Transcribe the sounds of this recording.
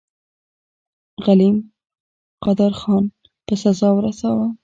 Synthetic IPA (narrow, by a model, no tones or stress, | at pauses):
ɣalim | qɑd̪əɾxɑn | pəsazɑwɾasawa